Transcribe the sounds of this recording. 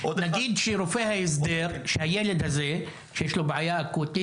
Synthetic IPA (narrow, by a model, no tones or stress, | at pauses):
naɡiːd̪ʃeɾofehaɪs̬d̪eɾʃehajeled̪haze | ʃejeʃlobʕajakot̪i